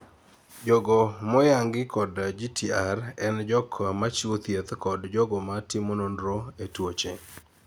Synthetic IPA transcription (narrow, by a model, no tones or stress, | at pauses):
d͡ʒoɡomɔjaŋɡɪkʰɔdd͡ʒitiarɛnd͡ʒɔkʰmat͡ʃiot̪jet̪kɔdd͡ʒɔɡɔmatɪmononɾoetwot͡ʃe